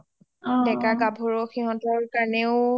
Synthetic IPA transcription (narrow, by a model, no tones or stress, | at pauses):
dɛkaɡabʱoɹɔxiɦɔ̃tɔɹkanɛʊ